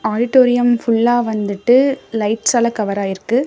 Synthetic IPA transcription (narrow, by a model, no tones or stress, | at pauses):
aːɖɪʈːoːɾɪjɐmfʊɭːaːʋɐnd̪ɯʈːɯlɐɪʈsɐlɐkɐʋɐɾaːɪɾɯkːɯ